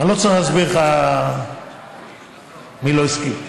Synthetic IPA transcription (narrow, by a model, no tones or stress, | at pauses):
alot͡saʁiχlasbiʁχa | miloiski